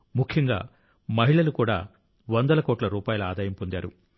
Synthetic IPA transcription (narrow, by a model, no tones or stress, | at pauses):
mukʰjɐŋɡa̰ː | mɐɦiɭɐlukuːɽa̰ː | ʋɐnd̪ɐlɐkoːʈlɐɾuːpaːjɐluaːd̪aːjɐmpond̪jaːɾṵ